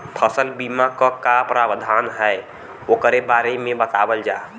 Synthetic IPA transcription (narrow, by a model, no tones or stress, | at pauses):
pʰəsəlbimakɔkapɾabəd̪ʱaːnɦɛe | oːkəɾebaːɾemẽbət̪abəld͡ʒaː